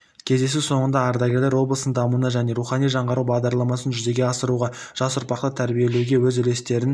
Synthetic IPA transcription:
kʲʰe̞zd̪e̞suso̞ɴənd̪ɑːɾd̪ɑɡʲe̞ɾlʲeɾwo̞blˠəsənd̪ɑmunəʒæne̞ɾuχɑnijʒɑɴʁɑɾuwbɑʁd̪ɑɾlˠɑmɑsənʒʏze̞ɡʲe̞ɑsəɾuʁɑ | ʒ̥ɑsʊɾpɑqt̪ət̪ʰæɾbije̞le̞wɡʲe̞wɵzʏle̞st̪e̞ɾɪn

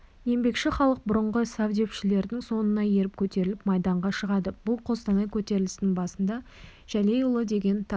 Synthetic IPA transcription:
je̞mbe̞kʃɪχɑlˠəq̚bʊɾəɴʁəsɑwd̪e̞pʃɪle̞ɾd̪ɪŋso̞nənɑje̞ɾɪp̚kʲʰɵt̪e̞ɾɪlɪpmɑjd̪ɑɴʁɑʃəʁɑd̪əb̥ʊlˠqʰo̞st̪ɑnɑjkʲʰɵt̪e̞ɾɪlɪst̪ɪŋbɑsənd̪ɑ | ʒ̥æle̞jʊlˠəd̪e̞ɡʲe̞nt̪ʰɑ

